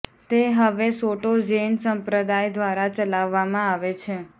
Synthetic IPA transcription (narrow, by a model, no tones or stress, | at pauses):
t̪eɦəʋesoʈod͡ʒensəmpɾəd̪ajd̪ʱʋaɾat͡ʃəlaʋːamãaʋet͡ʃʰe